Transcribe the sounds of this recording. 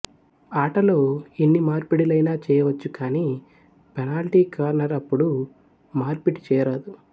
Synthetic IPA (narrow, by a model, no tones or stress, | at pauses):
aːʈɐlo̞ːinːimaːɾpiʈilɐjnaːt͡ʃɛːjɐʋɐt͡ʃːukaːniː | pɛnaːlʈiːkɐʋɐɾnɐɾɐpːuɽu | maːɾpiʈi̥t͡ʃɛːjɐɾɐd̪u